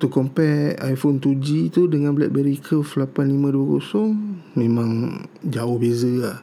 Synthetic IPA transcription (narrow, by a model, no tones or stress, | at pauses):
t̪ukɔmpɛajfɔnt̪ud͡ʒit̪udəŋanbəlɛʔ̪̚bəɾikʰəflapanlimãduəkosɔŋmẽmãŋd͡ʒaʊhbezəlah